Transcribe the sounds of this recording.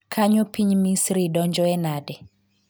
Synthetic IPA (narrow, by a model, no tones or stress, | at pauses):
kʰaɲopiɲmisɾidɔɲd͡ʒɔɛnadɛ